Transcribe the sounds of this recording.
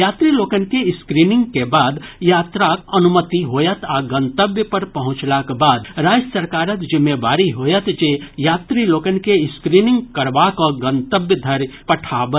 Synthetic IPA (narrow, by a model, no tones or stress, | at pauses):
jat̪ɾilokənkeiskɾiniŋɡkebaːd̪jat̪ɾakənumət̪iɦojət̪ʰaɡə̃nt̪əbjəpəɾpəɦʊ̃t͡ʃlakbad̪̚ɾad͡ʒsəɾkaːɾət̪d͡ʒimːebaɾiɦojət̪d͡ʒejat̪ɾilokənkeiskɾiniŋɡkəɾbakɔɡənt̪əbjəd̪ʱəɾpəʈʰabə